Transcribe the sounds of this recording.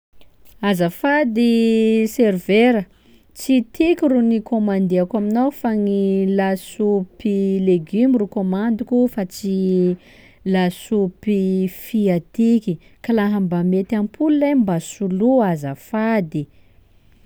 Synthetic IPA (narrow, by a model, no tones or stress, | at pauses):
azafad̪iseriveɾə | t͡sit̪ʰikʲirunikʰomand̪eakaminawfaŋilasupileɡymirukomand̪ukufat͡si | lasupifiat̪iki | kalaɦambamet̪ampʰululajmbasuluazafad̪i